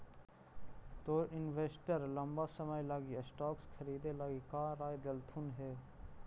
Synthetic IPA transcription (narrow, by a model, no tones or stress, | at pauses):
t̪oːɾʔɪnʋeːsʈəɾləmbasəməjlaːɡisʈɔːkskʰɐɾiːd̪elaːɡikaːɾaːjd̪ɐlt̪ʰunɦeː